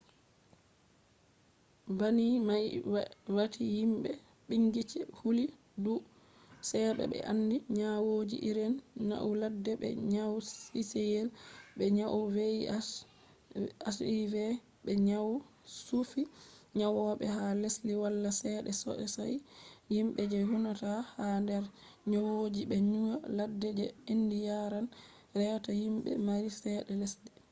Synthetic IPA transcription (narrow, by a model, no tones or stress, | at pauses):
banimajwatʰihimɓɛ | ɓiŋɡit͡ʃɛhuli | du | sɛːɓɛ̰ɓɛ̰ʔanːdiɲawod͡ʒḭʔiɾɛnːa̰ʔuladːɛɓɛ̰ɲawisejɛlɓɛɲaʔuve | asivɛ | ɓɛɲawu | sufiɲawɔɓɛ̰ɦalesliwalːasɛɗɛsɔ̰ʔɛsajhimɓɛd͡ʒɛɦunatahandɛɾ | ɲawod͡ʒiɓɛɲuwaladːɛd͡ʒɛindijaɾan | ɾɛwtahimɓɛ̰maɾisɛɗɛlesli